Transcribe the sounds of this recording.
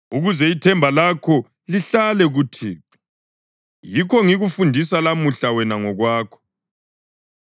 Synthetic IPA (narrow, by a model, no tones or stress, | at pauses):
uɣuzɛitʰɛmbʱalakʰɔ | liɬalɛɣutʰiː | jikʰɔŋiɣufundʱisalamuɬawɛnaŋɔɣwaːkʰɔ̥